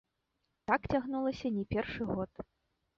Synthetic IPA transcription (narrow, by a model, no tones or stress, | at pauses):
t̪akt͡sʲaɣnulˠɐsʲɐnʲɛpʲɛrʂɨɣɔt̪